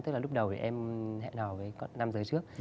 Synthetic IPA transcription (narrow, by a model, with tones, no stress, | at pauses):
t̪ɨ˦˥k̚la˨˩lʊ˦˥k͡p̚ɗə˨˩wt̪ʰḭ˨˩ʔɛ˧mɦɛ̰˧˨nɔː˨˩vəː˨˦jkɔ˨˦na˧mzəː˨˦jt͡ɕɨ˦˥ək̚